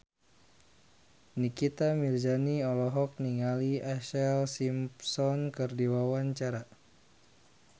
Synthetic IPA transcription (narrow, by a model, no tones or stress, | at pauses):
nikit̪amird͡ʒaniɔlɔɦɔk̚niŋaliaʃɛlsimpsɔnkɨrdiwawaɲt͡ʃaɾa